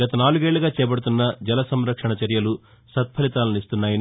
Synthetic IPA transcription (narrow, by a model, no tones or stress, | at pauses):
ɡɐt̪ɐnaːluɡeːɭːuɡaːt͡ʃɛːbɐɽut̪̬unːɐd͡ʒɛlɐsɐmɾɐkʂɐɳɐt͡ʃɐɾjɐlu | sɐt̪̚pʰɐlit̪aːlɐnist̪unːaːjɐn